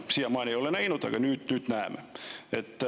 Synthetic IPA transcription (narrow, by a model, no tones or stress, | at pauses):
siæmɑineoleneinot̪ːɑkɑnyt̪nyt̪næːmæet̪ː